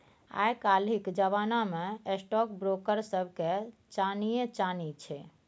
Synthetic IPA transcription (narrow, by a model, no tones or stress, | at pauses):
a̰jkalikd͡ʒəβanameesʈɔkbɾokəɾsəbʱket͡ʃanijet͡ʃanit͡ʃʰɛ